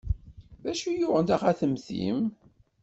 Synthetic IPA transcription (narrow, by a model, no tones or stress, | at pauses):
ðæʃujʊʁənt̪æʁæθəmθḭm